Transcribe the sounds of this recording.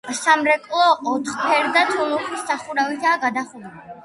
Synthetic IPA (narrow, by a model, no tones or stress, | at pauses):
samɾɛkʼlˠɔːt̪ʰχpʰɛɾd̪at̪ʰunuχʰisːaχuɾavit̪ʰaːɡad̪aχud̪uli